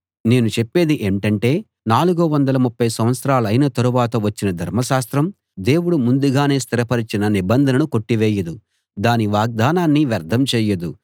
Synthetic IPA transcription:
ne̞ːnut͡ʃepːe̞ːd̪iʔeːɳʈɐɳʈe̞ː | naːluɡuʋɐnd̪ɐlɐmupːɐjsɐmʋɐt̪sɐɾaːlɐjnɐt̪ɐɾuʋaːt̪ɐʋɐt͡ʃːinɐd̪ʱɐɾmɐʃaːst̪ɾɐm | d̪e̞ːwuɽumund̪uɡaːne̞ːst̪ʰiɾɐpɐɾit͡ʃinɐnibɐnd̪ʱɐnɐnuko̞ʈːiʋɛːjɐd̪u | d̪aːniʋaːɡ̚d̪aːnaːnːiʋɐɾd̪ʱɐmt͡ʃɛːjɐd̪u

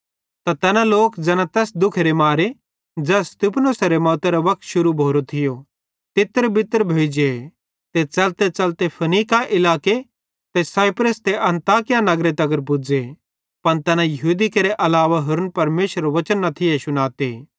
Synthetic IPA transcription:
t̪at̪ɛːnãloːkd͡zɛːnãt̪ɛːsd̪ʊkʰɾemaːɾe | d͡ʒɛːst̪ɪpnosɐɾemɔːt̪eɾoʋɐk̚ʰt̪ʃʊɾubʱoːɾot̪ʰɪjo | t̪ɪt̪ːəɾbɪt̪ːəɾbʱeːd͡ʒe | t̪et͡ʃɐlt̪et͡ʃɐlt̪epʰɐniːkaʔɪlaːke | t̪ɛsaːɪpɾəst̪eʔɐ̃nt̪aːkɪjanɐɡɾet̪ɐɡəɾpʊd͡ze | pɐnt̪ɛːnãjɐɦuːd̪ikɐɾeʔɐlaːʋaɦʊɾənpɐɾmeːʃəɾʋɐt͡ʃənːɐt̪ʰɪesʊnaːt̪eː

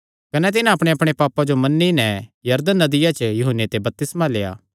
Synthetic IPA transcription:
kɐnɛt̪ɪnãɐpɽ̃eɐpɽ̃epaːpad͡ʒomɐnːinɛjɐɾd̪ənːɐd̪ɪjat͡ʃjʊɦənːet̪ebɐp̚t̪ɪsmaleːa̰ː

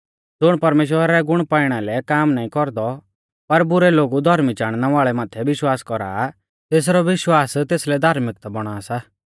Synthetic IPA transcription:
d͡zʊɽ̃pɐɾmeːʃ̬wəɾaɾɛɡʊɽ̃paːɪɽ̃alɛkaːmnaːĩkɔɾd̪ɔ | pɐɾbʊɾɛloːɡud̪ʱɐɾmit͡ʃaːɽ̃naʋaːɭɛmaːt̪ʰɛʋɪʃwaːskɔɾa̰ː | t̪eːs̬ɾɔʋɪʃwaːst̪eːslɛd̪ʱaːɾmɪk̚t̪bɔɽ̃aːsa

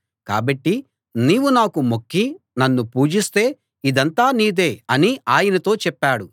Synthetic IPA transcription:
ka̰ːbɐʈːi | niːʋunaːkumokːi | nɐnːupuːd͡ʒist̪e̞ː | id̪ɐnt̪aːniːd̪eːɐniaːjɐnɐt̪o̞ːt͡ʃɛpːaːɽu

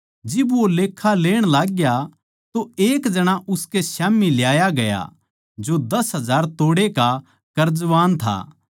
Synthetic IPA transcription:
d͡ʒɪbʋoleːkʰːaleːɽ̃laːɡja | t̪oeːkd͡ʒɐɽ̃aʔʊskesaːmiljaːjaɡɐja̰ | d͡ʒod̪ɐsɦɐzaːɾt̪oːɽeka | kɐɾd͡ʒʋaːnt̪ʰa̰ː

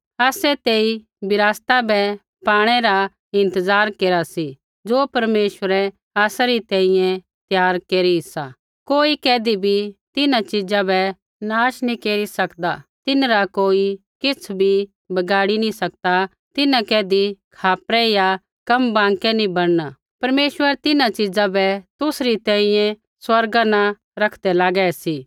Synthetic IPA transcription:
aːsɛt̪eːi | bɪɾaːst̪abɛ | paːɽ̃ɛɾa | ɪ̃nt̪əzaːɾkeːɾasi | d͡ʒoːpɐɾmeːʃwəɾɛ | aːsaɾit̪ɛ̃ːĩjɛ̃ | t̪jaːɾkeːɾiɦɪsa | koːikɛːd̪ibʱit̪ɪnãt͡ʃɪd͡ʒabɛ | naːʃnĩkeːɾisɐkd̪at̪ɪnɾakoːi | kɪt͡sʰbʱi | bɐɡaːɽinĩsɐk̚d̪a | t̪ɪnãkɛːd̪ikʰaːpɾɛja | kɐmbãːŋkɛnĩbɐɽ̃na | pɐɾmeːʃwəɾt̪ɪnãt͡ʃɪd͡zãbɛt̪ʊsɾit̪ɛ̃ːĩjɛ̃ | swɐɾɡanã | ɾɐkʰd̪ɛlaːɡɛsiː

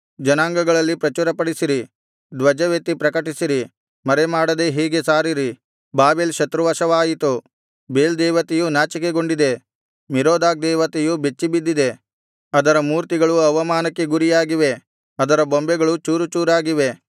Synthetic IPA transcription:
d͡ʒɐnaːŋɡɐɡɐɭɐlːipɾɐt͡ʃuɾɐpɐɽisiɾi | d̪ʋɐd͡ʒɐʋet̪ːipɾɐkɐʈisiɾi | mɐɾemaːɽɐd̪e̞ɦɛːɡe̞saːɾiɾi | baːbeːlʃɐt̪ɾuʋɐʃɐʋaːjit̪u | beːld̪ɛːʋɐt̪ejunaːt͡ʃikeɡo̞ɳɖid̪e̞ | miɾoːd̪aːk̚d̪ɛːʋɐt̪ejube̞t͡ʃːibid̪ːid̪e̞ | ɐd̪ɐɾɐmuːɾt̪iɡɐɭuɐʋɐmaːnɐkːe̞ɡuɾijaːɡiʋe̞ | ɐd̪ɐɾɐbombɛɡɐɭut͡ʃuːɾut͡ʃuːɾaːɡiʋe̞

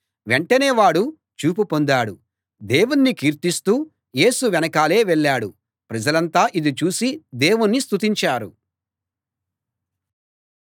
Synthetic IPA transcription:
ʋe̞ɳʈɐneːʋaːɽu | t͡ʃuːp̬upo̞nd̪aːɽu | d̪eːwunːikiːɾt̪ist̪uː | je̞ːsuʋɛnɐkaːle̞ːʋɛɭːaːɽu | pɾɐd͡ʒɐlɐnt̪aːʔid̪it͡ʃuːsid̪eːwunːist̪ut̪̬iɲt͡ʃaːɾu

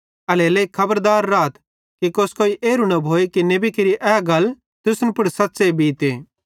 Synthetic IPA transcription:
ɐleleːikʰɐbəɾd̪aːɾːaːt̪ | kikoːskoːiʔeːɾunɐbʱoːekinebikeɾiʔɛːɡɐl | t̪ʊsnpʊɽsɐtːsebʱiːt̪eː

